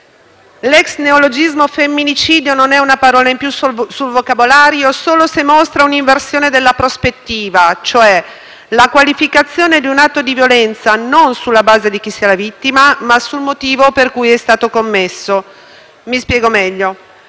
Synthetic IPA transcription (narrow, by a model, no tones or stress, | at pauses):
lɛksneolod͡ʒizmofemːinit͡ʃiːd̪jononɛunapaɾɔːlaimpjussulvokabolaːɾjosoːlosemost̪ɾauniɱversjoːned̪elːapɾospet̪ːiːvat͡ʃoɛ | lakwalifikat̪sːjoːned̪iunat̪ːod̪ivjolɛnt̪sanonsulːabaːzed̪ik̟isːialavit̪ːimamasulmot̪iːvoperkujɛst̪aːt̪okomːesːo | mispjɛːɡomɛʎːo